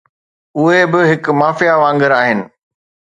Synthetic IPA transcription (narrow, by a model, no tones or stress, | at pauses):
ʊɦebɪɦɪkmaːfijaʋãːŋɡəɾaːɦɪnɪ̆